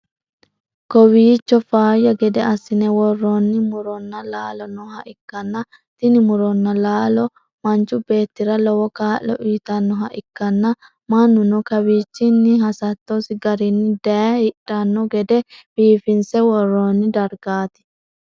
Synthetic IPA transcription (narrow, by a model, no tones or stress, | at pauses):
kɔwiːt͡ʃːɔfaːjːɐɡɛd̪ɛɐsːɪnɛwɔrːonːɪmʊɾɔnːɐlaːlɔnɔhɐʔɪkːɐnːɐ | t̪ɪnɪmʊɾɔnːɐlaːlɔ | mɐnt͡ʃːʊbe̞ːt̪ːɪɾɐlɔwɔkaːʔːɔ̰ʔiːt̪ɐnːɔɦɐʔɪkːɐnːɐ | mɐnːʊnɔkɐwiːt͡ʃːɪnːɪɦɐsɐt̪ːosɪɡɐɾɪnːɪd̪ɐhɪᶑːɐnːɔɡɛd̪ɛb̥iːfɪnsɛwɔrːoːnːɪd̪ɐɾɡaːt̪ɪ̥